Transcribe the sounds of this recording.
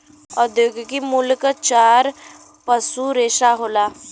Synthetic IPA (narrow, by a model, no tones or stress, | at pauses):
ɔd̪joːɡkimʊlkt͡ʃaːɾ | pəsuɾeːʃaɦoːlaː